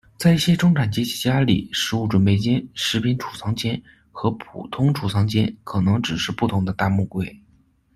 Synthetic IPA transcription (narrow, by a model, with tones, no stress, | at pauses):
t͡sa˥˧ɪi˥˩ɕjɛ˥ʈ͡ʂʊ˥ŋʈ͡ʂʰa˨˩nt͡ɕjɛ˥t͡ɕʰi̥˥t͡ɕja˥lḭ˨˩ʂɻ̩˧˥u˥˩ʈ͡ʂwə˧˩npe˥˩ɪt͡ɕjɛ˥nʂɻ̩˧˥pʰi˧˥nʈ͡ʂʰu̥˨˩sʰɑ˧˥ŋt͡ɕjɛ˥n | xɤ˧˥pʰṵ˨˩t̪ʰʊ˥ŋʈ͡ʂʰu˨˩sʰɑ˧˥ŋt͡ɕjɛ̰˥nkʰɤ˨˩nɤ˧˥ŋʈ͡ʂɻ̩˨˩ʂɻ̩˥˧pu˥˩t̪ʰʊ˧˥ŋd̪ə˧t̪a˥˧mu˥˧kwe˥˩ɪ